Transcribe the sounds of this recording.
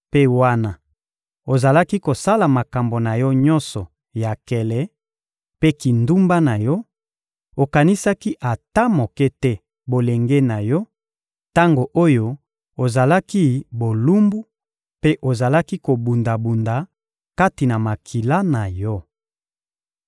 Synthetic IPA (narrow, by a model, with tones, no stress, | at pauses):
pe˦wa˦na˨ | o˨za˨la˦ki˦ko˨sa˦la˨ma˨ka˨mbo˨na˨jɔ˦ɲɔ̃˦nsɔ˨ | ja˨kɛ˨lɛ˦ | pe˦ki˨ndu˦mba˦na˨jɔ˦ | o˨ka˨ni˦sa˦ki˦ʔa˨ta˦mo˨ke˦tɛ˦ | bo˨le˨ŋɡe˦na˨jɔ˦ | ta˦ŋɡo˨ʔo˦jo˦ | o˨za˨la˦ki˦bo˨lu˦mbu˦ | pe˦ʔo˨za˨la˦ki˦ko˨bu˨nda˨bu˨nda˨ | ka˦ti˨na˨ma˨kʰi˨la˦na˨jɔ˦